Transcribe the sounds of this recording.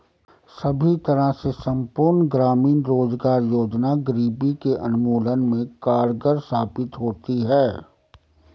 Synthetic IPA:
sɐbʱit̪ɐɾasesɐ̃mpʊɾnɡɾaːmiːnɾoːzɡaːɾjoːd͡ʒnaɡəɾiːbikeʔɐnʊmoːlənmẽkaːɾɡəɾst̪aːpɪt̪ɦoːt̪iɦɛː

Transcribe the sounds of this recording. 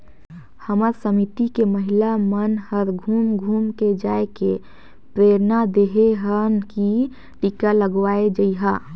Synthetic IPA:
həməɾsəmit̪ikeməɦɪlamənhəɾɡʱuːmɡʱuːmked͡ʒaːeke | pɾeːɾnad̪eɦeɦənki | ʈikaləɡwaːed͡ʒəiɦa

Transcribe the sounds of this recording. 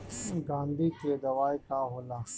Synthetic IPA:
ɡãːnd̪ʱiked̪ɐʋaːjkaːɦoːlaː

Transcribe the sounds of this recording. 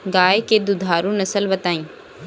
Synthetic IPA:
ɡaːjked̪ʊd̪ʱaːɾũnɐsəlbət̪aːĩː

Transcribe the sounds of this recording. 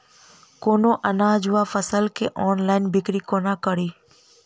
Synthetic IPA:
koːnoːʔɐnãːd͡ʒʊafəsəlkeʔɔːnlaːɪnbɪkɾikoːnãkəɽiː

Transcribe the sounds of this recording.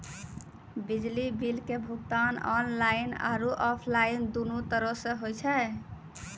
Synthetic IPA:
bid͡ʒlibilkebʱukt̪anɔnlaina̰ɾuʔɔpʰlaind̪unut̪əɾəsẽɦojt͡ʃʰɛ

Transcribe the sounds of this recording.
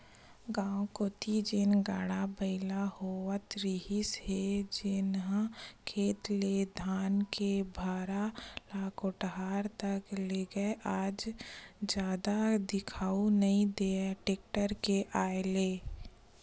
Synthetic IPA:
ɡãːõkoːt̪id͡ʒɪnɡaːɽ̃abəɪlahoət̪ɾiɦɪsɦed͡ʒɪnɦãkʰeːt̪led̪ʱaːnkebʱaːɾalaːkoʈɦaːɾt̪ɐkleːɡəeʔaːd͡ʒd͡ʒjaːd̪ad̪ɪkʰaːunɐɦĩd̪eːaʈeːk̚ʈəɾkeʔaːleː

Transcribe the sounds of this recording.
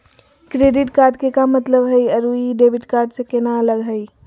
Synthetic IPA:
kɾeːɖɪʈkaːɾɖkekamət̪ləbɦəjəɾuiɖeːbɪʈkaːɾɖsekenaələɡɦəi

